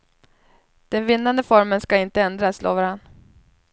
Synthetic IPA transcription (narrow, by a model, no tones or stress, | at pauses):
d̪̥ɛnvɪnːand̪əfɔɾmənskaɪnt̪əɛnd̪ɾaslo̰ːvaɾanː